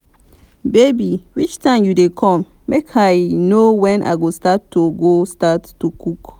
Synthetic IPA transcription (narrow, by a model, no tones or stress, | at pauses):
bebiwit͡ʃtʰãɪ̃mjudekʰɔ̃m | mekʰajnowɛ̃nʔa̰ɪɡostatːoɡostatːukuk